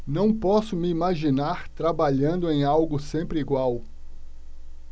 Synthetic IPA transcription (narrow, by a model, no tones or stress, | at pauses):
nɐ̃w̃pɔsʊmɪimaʒinaɾt̪ɾabaʎɐ̃nd̪ʊẽj̃awɡʊsẽmpɾɪiɡwaw